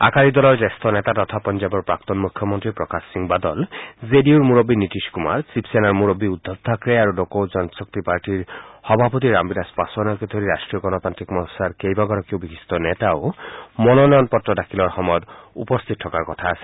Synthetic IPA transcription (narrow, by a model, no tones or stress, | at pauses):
a̰kaɾid̪ɔlɔɹdest̪ʰɔnet̪at̪ɔt̪ʰapɔnd͡ʒabɔɾpɾak̚t̪ɔnmukʰjɔmɔnt̪ɾipɾɔkasːiŋbad̪ɔlzediuɾmuɾɔbinitiskuma̰ɾsipsenaɾmuɾɔbiud̪ʱːɔb̚d̪ʱakɾejaɾudokowd͡ʒɔnsɔk̚t̪ipaɾʈiɹhɔbʱapɔt̪iɾambinaspasɔnaked̪ʰʱɔɾiɾasʈɾiɔɡɔnɔp̪ant̪ɾikmɔnɔsaɾkejbaɡɔɾɔkiubikist̪ɔnet̪aomɔnɔnɔjɔnpɔtɾɔdakʰilɔɾxɔmɔjɔt̪ṵpɔst̪ʰit̪̚tʰːɔkaɾkɔt̪ʰaːse̥